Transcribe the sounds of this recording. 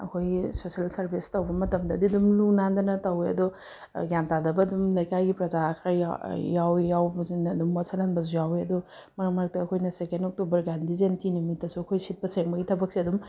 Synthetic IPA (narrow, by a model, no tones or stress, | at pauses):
ɐ̰kʰojɡisosialsɐɾbʰʱistɐwbɐmɐtɐmdɐdiɐdumluŋnandɐnɐtɐweɐ̰dɔ | ɡantadɐbɐːdumlɐjkajɡipɾɐzakʰɾaj̰jawjawbnɐdumːasɐlanbɐz̬ujaweɐdɔmɐɾmɐɾɐk̚tɐːkʰojnɐsekendok̚tubɐɾɡandizentinumitːɐsuɐkʰojsit̚pɐseŋbɐɡitʰɐbɐk̚siɐdum